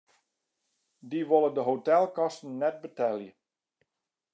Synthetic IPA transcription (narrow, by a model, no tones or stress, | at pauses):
diʋolˠəndəɦowtɛlˠkɑstn̩ːɛt̚bətɛljə